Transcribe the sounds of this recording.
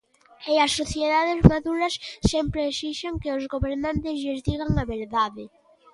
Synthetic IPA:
eɐsːoθjeðaðɪzmaðuɾɐsːɛmpɾeasiʃaŋkeozɣoβeɾnãnt̪ɪzʎɪzðiɣaŋɐβeɾðaðɪ

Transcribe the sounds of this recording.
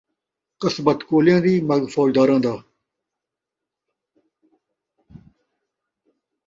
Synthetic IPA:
qəsbət̪koːlijãːd̪iːmɐɡfoːd͡ʑd̪aːɾãːd̪aː

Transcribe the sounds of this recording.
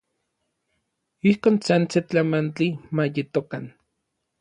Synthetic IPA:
ihkoːnsant͡set͡ɬamant͡ɬimajet̪okan

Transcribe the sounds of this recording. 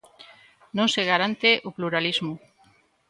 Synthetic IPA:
nõŋseɣaɾant̪eʔopluɾalizmʊ

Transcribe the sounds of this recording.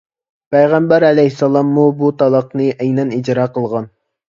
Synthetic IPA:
pæjʁæmbæɾɛlɛjhsːɑlˠɑmːubut̪ɑlˠɑqnɨʔɛjnɛnid͡ʒɾɑːqʰəlˠʁɑn

